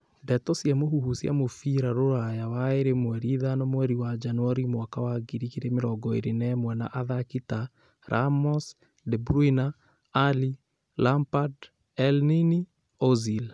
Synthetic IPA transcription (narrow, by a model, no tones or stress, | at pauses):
bɛtɔsjamohuhusja̰mofiɾaɾoɾajawaeɾemwɛɾiðanɔmwɛɾiwad͡ʒanwɔɾimwakawaɡiɾikeɾemeɾɔɡɔḛɾenɛmwɛna̰ʔaðakita | ɾamɔs | dɛbɾuina | ali | lampad | ɛlnini | ɔzil